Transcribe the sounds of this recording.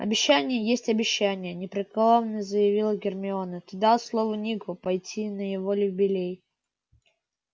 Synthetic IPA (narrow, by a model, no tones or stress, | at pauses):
ɐ̰bʲɪɕːænʲɪjəjesʲtʲɐbʲɪɕːænʲɪjənʲɪpɾʲɪklˠovnəzəjɪvʲilˠəɡʲɪrmʲɪonət̪ɨd̪alˠslˠovənʲiɡʊpɐjtʲʰinəjɪvolʲɪbʲɪlʲej